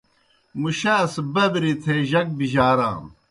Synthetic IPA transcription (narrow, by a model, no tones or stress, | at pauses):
muɕaːsbɐbɾit̪ʰeʑɐk̚biʑaːɾa̰ːm